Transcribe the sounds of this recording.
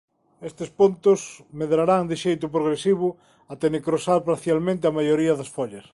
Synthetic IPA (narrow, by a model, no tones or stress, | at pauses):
est̪ɪspont̪ʊsmeðɾaɾaŋd̪ɪʃejt̪ʊp̬ɾoɣ̞ɾesiβʊ | ɐt̪enekɾosaɾpaɾθjalmẽnt̪̬ɪamajoɾiɐðɐsfɔʎɐs